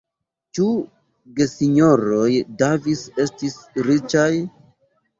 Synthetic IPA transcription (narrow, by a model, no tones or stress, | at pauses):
t͡ʃu | ɡesiɲo̞ɾojdevise̞stisɾit͡ʃaj